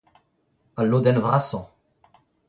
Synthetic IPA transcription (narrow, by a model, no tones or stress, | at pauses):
alːod̪ɛnvʁasɔ̃